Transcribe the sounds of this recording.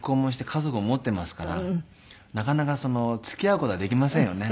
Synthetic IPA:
kːo̞ːmoɕ̬i̥t̪ekʰazo̞kɯ̟omo̞t̪ːe̞masɨ̥kaɾa̰ | nakanakaso̞no̞t͡sɨ̥kʲiaɯ̟kot̪o̞ad̪e̞kʲimasẽɰ̃jo̞ne̞

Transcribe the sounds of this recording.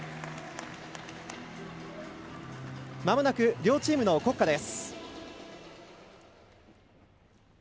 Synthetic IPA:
mamɯ̟nakɯ̟ɾʲo̞ːt͡ɕiːmɯ̟no̞ko̞kːad̪e̞s

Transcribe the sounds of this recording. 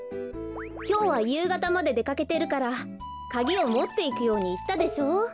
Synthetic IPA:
kʲo̞ːβajɯ̟ːɡat̪amad̪e̞d̪e̞kake̞t̪e̞ɾɯ̟kaɾa | kaɡʲio̞mo̞t̪ːe̞ikɯ̟jo̞ːɲ̟iːt̪ːad̪e̞ɕo̞ː

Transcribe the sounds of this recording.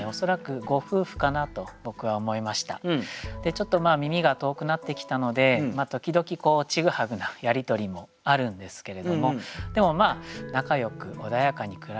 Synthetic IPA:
o̞so̞ɾakɯ̟ɡo̞ɸɯ̟ːɸɯ̟̥kanat̪o̞bo̞kɯ̟βaomo̞imaɕi̥t̪a̰d̪̥e̞t͡ɕo̞t̪ːo̞maːmʲimʲiɡat̪o̞ːkɯ̟nat̪ːe̞kʲi̥t̪ano̞d̪e̞mat̪o̞kʲid̪o̞kʲiko̞ːt͡ɕiɡɯ̟haɡɯ̟najaɾʲit̪o̞ɾʲimo̞ | aɾɯ̟̃nd̪e̞sɨ̥ke̞ɾe̞d̪o̞mo̞d̪̥e̞mo̞maːnakajo̞kɯ̟ʔo̞d̪ajakaɲ̟ikɯ̟ɾ

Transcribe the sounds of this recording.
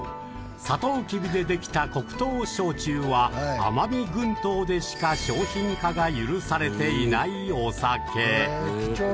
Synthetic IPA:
sat̪o̞ːkʲibʲid̪e̞d̪e̞kʲi̥t̪ako̞kɯ̟̥t̪o̞ːɕo̞ːt͡ɕɨːβaa̰mabeɡɯ̟̃nt̪o̞ːd̪e̞ɕi̥kaɕo̞ːçĩŋkaɡajɯɾɯ̟saɾe̞t̪e̞inaio̞sakʰe̞ː

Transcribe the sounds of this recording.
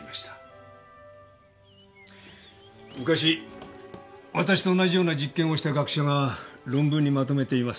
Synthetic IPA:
aɕi̥t̪ḁ | mɯ̟kaɕ̬i | βat̪aɕi̥t̪o̞ːnaʑijo̞ːnad͡ʑikːẽɰ̃o̞ɕi̥t̪aɡakɯ̟̥ɕoŋaɾõ̞mbɯ̃ɲ̟ːimat̪o̞me̞t̪e̞imas

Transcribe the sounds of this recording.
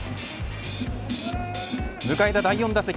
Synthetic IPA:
mɯ̟kaed̪ad̪aijõ̞nd̪asekʲ

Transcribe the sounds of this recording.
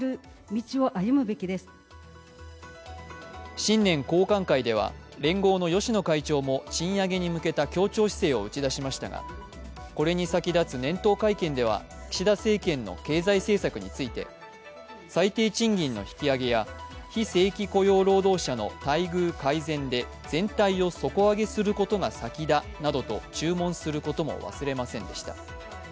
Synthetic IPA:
ɯ̟ | mʲit͡ɕio̞ʔajɯ̟mɯ̟be̞kʲid̪e̞sɨ̥ | ɕĩnːẽ̞ŋko̞ːkãŋkaid̪e̞β̞a̰ɾẽ̞ŋɡo̞ːno̞jo̞ɕino̞kait͡ɕo̞ːmo̞ɕĩɰ̃jaɡe̞ɲ̟imɯ̟ke̞t̪akʲo̞ːt͡ɕo̞ːɕi̥se̞ːo̞ɯ̟t͡ɕid̪aɕimaɕi̥t̪a̰ɡa̰ | ko̞ɾe̞ɲ̟isakʲid̪at͡sɨnẽ̞nt̪o̞ːkaikẽ̞nd̪e̞β̞a̰kʲi̥ɕid̪ase̞ːkẽ̞nːo̞̰ke̞ːzaise̞ːsakɯ̟ɲ̟it͡sɨit̪e̞̰ | sait̪e̞ːt͡ɕĩŋɡʲĩnːo̞̰çi̥kʲiaɡe̞jaçise̞ːkʲiko̞jo̞ːɾo̞ːd̪o̞ːɕano̞̰t̪aiɡɯ̟ːkaizẽ̞nd̪e̞ | d͡z̥ẽ̞nt̪aio̞so̞ko̞aɡe̞sɨɾɯ̟ko̞t̪o̞ɡasakʲid̪a | nad̪o̞t̪o̞̰t͡ɕɨːmõ̞ɰ̃sɨɾɯ̟ko̞t̪o̞mo̞̰βa̰sɨɾe̞masẽ̞nd̪e̞ɕi̥t̪ḁ̰

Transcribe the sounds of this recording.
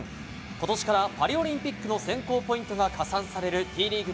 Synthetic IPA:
ko̞t̪o̞ɕi̥kaɾapaɾʲio̞ɾʲĩmpʲikːɯ̟no̞sẽ̞ŋko̞ːpo̞ĩnt̪o̞ɡakasãɰ̃saɾe̞ɾɯ̟t̪ʰiːɾʲiːɡɯ̟

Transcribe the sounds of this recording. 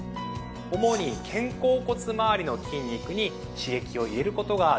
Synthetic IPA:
omo̞ɲ̟ikʰẽ̞ŋko̞ːko̞t͡sɨmaːɾʲino̞kʲĩɲʲːikɯ̟ɲ̟i | ɕie̞kʲio̞iɾe̞ɾɯ̟ko̞t̪o̞ɡa

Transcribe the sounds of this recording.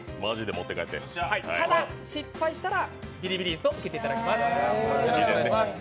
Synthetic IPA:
maʑid̪emo̞t̪ːe̞ka̰et̪ːḛhaḭt̪ad̪aɕipːaiɕi̥t̪aɾabʲiɾʲibʲiɾʲiːsɨot͡sɨ̥ke̞t̪e̞it̪ad̪akʲemasaaimasɨ̥

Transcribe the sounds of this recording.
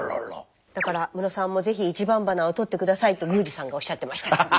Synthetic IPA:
d̪̥akaɾamɯ̟no̞sãmːo̞ze̞çiːt͡ɕibãmbanao̞t̪o̞t̪ːe̞kɯ̟d̪asait̪ːo̞ɡɯ̟ːd͡ʑisãŋɡao̞ɕːat̪ːe̞maɕi̥t̪a

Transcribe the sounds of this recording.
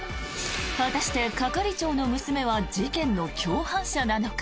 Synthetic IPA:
βat̪aɕi̥t̪e̞kakaɾʲit͡ɕo̞ːno̞mɯ̟sɨme̞βad͡ʑikẽ̞nːo̞kʲo̞ːhãɰ̃ɕad̪anak

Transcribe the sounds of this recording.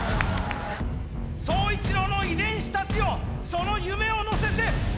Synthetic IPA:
soːit͡siɾo̞no̞id̪ẽ̞ɰ̃ɕi̥t̪at͡ɕio̞so̞no̞jɯme̞o̞no̞se̞t̪e̞

